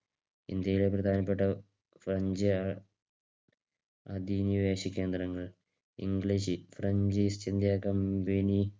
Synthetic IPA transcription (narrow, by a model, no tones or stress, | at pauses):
ḭnd̪jɐjileprɐd̪ʱaːnɐpːe̞ʈːɐ | frɐɲd͡ʑɨ | ɐd̪iniʋeːɕikʲːe̞ːnd̪rɐŋːɐɭ | ḭŋɡɭiɕɨfrɐɲd͡ʑist͡ɕind̪jakɐmbeni